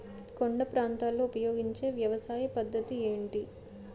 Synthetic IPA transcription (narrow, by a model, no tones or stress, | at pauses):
koɳɖɐpɾaːnt̪aːlːoːpɐjo̞ːɡiɲt͡ʃe̞ːʋjɐʋɐsaːjɐpɐd̪ːɐt̪ie̞ːɳʈi